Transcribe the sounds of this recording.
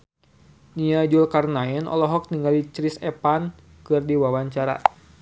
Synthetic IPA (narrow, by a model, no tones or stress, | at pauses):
niad͡ʒulkarnaɛnɔ̰lɔɦɔk̚niŋɡalit͡ʃɾisɛpan | kɨrdiwawaɲt͡ʃaɾa̰